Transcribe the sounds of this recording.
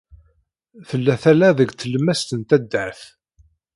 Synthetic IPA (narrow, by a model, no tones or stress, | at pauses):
θəlːæθælæðəɡt͡sːələmːæst̪ənt̪æd̪ːəɾθ